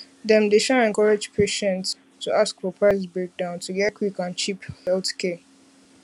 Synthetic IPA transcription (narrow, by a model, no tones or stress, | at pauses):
dɛ̃mdeʃaɛ̃nkɔɹad͡ʒpʰeʃɛ̃nts | tʰuʔaskfɔpʰɹaɪsbɹek̚dãʊ̃ntuɡɛtkʰwikãnt͡ʃiphɛlθkʰɛ